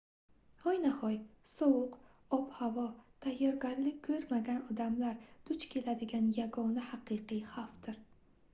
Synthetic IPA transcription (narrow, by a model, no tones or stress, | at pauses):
hɒjnahɒj | sɒwʊq | ɒphavɒt̪ʰajːɒɾɡʲaɾlɪkʲkʰːɵɾmaɡʲanɒd̪amlaɾd̪̥ʊt͡ʃkʲʰe̞lad̪ɪɡʲanjaɡɒnahaqɨqɨjhaft̪ɪɾ